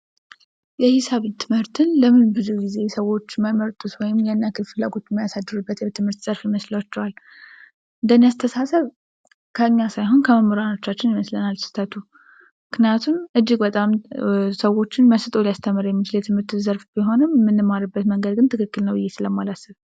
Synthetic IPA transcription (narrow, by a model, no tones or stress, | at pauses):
jɛhɪsaβt̪ʰɨmhɨɾt̪ʰɨnləmɨnbɨzuɡize̞səwːo̞t͡ʃːməməɾt̪ʼut̪wɔjɪmjɛnːakɨlfɨlːaɡo̞t͡ʃːɛmːijasad̪ːɨɾubːət̪jɛt̪ʰɨmhɨɾt̪z̥ʼəɾfɪməsləwat͡ʃːɛwal | ʔɨnd̪ənijast̪ʰəsasəβ | kʰəɨɲːasajɦo̞nkʰəməməɾano̞t͡ʃːat͡ʃːɪnjɪməslənalsɨ̥t̪ʰət̪ʰu | mɨknjat̪ʰunʔɨd͡ʒːɪɡbət̪ʼamsəwo̞t͡ʃːɪnməsɨt̪ʼolijast̪ʰəmːɨɾjɛmːit͡ʃɪləjɛt̪ʰɨmhɨɾt̪ːɨzəɾfb̥iɦo̞nɨmːɨnːɨmaɾɨbːət̪məŋɡəd̪̚ɡɨnt̪ʰɨkɨkːɨlnəwbɨjːesɨləmalasɨβ